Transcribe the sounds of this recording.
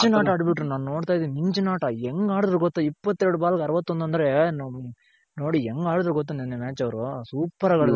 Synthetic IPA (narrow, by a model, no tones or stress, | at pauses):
d͡ʒɐnaːʈɐɐɽbɪʈɾunaːnnoːɽt̪aːjɐðimɪɲd͡ʒɐnaːʈɐɛŋɡaːɽɐd̪ɾɐɡɔt̪ːɐipːɐt̪ːɛɾɽubaːlɐkɐɾɐʋɐt̪ːɔnd̪ɐnd̪ɾen | noːɽiɛŋɡaːɽɐd̪ɾɐɡɔt̪̬ːɐnɛnːemeːt͡ʃːɐʋɐɾusuːpːɐɾɐɡɐɽɐ